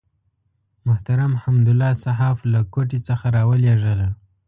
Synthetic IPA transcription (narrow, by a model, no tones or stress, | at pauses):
mʊht̪aɾamhamd̪ʊlːɑsaɦɑflakoʈet͡səxaɾɑwəleʐəla